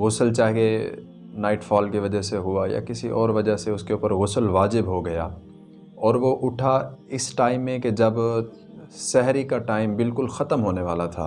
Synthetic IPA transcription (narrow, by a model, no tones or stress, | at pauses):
ɣʊsəlt͡ʃaːɦke | naːɪʈfaːlkiʋɐd͡ʒəɦseɦʊaja̰kɪsiʔɔːɾʋɐd͡ʒəɦseʊskeuːpəɾɣʊsəlʋaːd͡ʒɪbɦoɡɐja̰ː | ɔːɾʋoʔʊʈʰaɪsʈaːɪmːẽked͡ʒɐb | sɛɦɾikaʈaːɪmbɪlkʊlxɐt̪əmɦoːneʋaːlat̪ʰa̰ː